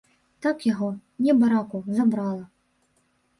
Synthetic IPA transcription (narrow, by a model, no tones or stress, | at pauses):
t̪akjaɣɔnʲɛbaɾakʊzabɾɑlˠɐ